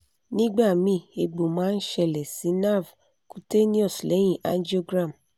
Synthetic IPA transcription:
nĩ˦ɡ͡ba˦˨mĩ˧˦˨e˧ɡ͡bo˨mãː˦n̩˦ʃɛ˧˨lɛ˨si˨˦na˦˨v | ku˨te˦nĩ˦ɔ˦˨sle˨˦j̃ĩ˦˨ʔa̰˦n˦d͡ʒi˦o˦ɡɾã˦˨m

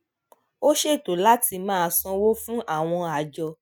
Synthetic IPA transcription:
o˦ʃe˦˨to˨la˦ti˧mãː˦˧sɔ̃˧wo˦fũ˦ʔa˦˨w̃ɔ̃˧a˨d͡ʒɔ˧

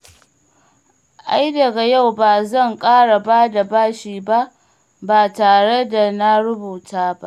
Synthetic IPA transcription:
ʔa˦jdɐ˨ɡa˨ja˦˨wbaː˨zɐ˦˨ŋkʼaː˦ɽa˨baː˦da˨baː˦ʃiː˨ba˦ʔ | baː˨taː˨ɽe˦da˨na˦ɽʊ˦buː˨taː˦ba̰˦ʔ

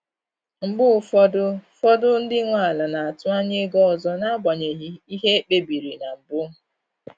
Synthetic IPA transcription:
ŋ͡m̩˨ɡ͡bʊ˦˨fɔ˦dʊ˦fɔ˦dʊ˦n̩˦dɪ˦ŋʷa˦˨a˨la˨na˨a˨tʊ˦a˦ɲe˦ɡɔ˦ɔ˨zɔ˦na˦ɡ͡ba˨ɲe˨ɦi˦i˦ɦe˦e˦k͡pe˦bi˨ɾi˨na˨m̩˨bʊ˦

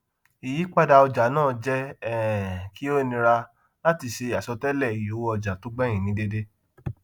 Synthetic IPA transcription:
i˨ji˨˦k͡pa˦˨da˧ɔ˧d͡ʒa˨˦nãː˦˨d͡ʒɛ˦˨ | ki˦o˦nĩ˧ɾa˧ | la˦ti˧ʃe˧˨a˨sɔ˧tɛ˦lɛ˦˨i˨jo˨˦ɔ˧d͡ʒa˨to˨˦ɡ͡bɛ̃˦ĩ˨nĩ˨˦de˦de˦

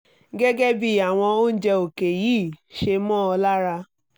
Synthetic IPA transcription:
ɡɛ˦ɡɛ˦bi˦˨a˨w̃ɔ̃˧o˦n̩˦d͡ʒɛ˧o˨ke˨jiː˦˨ʃe˧mɔ̃ː˦ɔ˧la˦ɾa˧

